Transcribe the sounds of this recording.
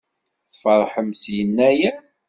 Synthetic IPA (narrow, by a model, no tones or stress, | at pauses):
θfəɾˤħəmsjənːæjæ